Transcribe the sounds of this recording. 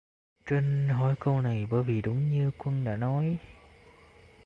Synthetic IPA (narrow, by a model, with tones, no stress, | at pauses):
t͡ɕe˧nɦɔ̰˧˩jko˧wna˨˩jɓəː˧˩jvi˨˩ɗʊ˨˦ŋ͡mɲɨ˧kwə˧nɗa̰ː˧˥nɔ˨˦j